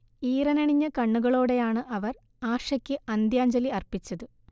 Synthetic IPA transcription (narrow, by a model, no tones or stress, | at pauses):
iːrɐnɐɳiɲːɐkɐɳːuɣɐɭo̞ːɽe̞jaːɳɨʔɐʋɐr | aːʂɐkʲːɨɐnd̪jaːɲd͡ʑɐliɐrpit͡ɕːɐðɨ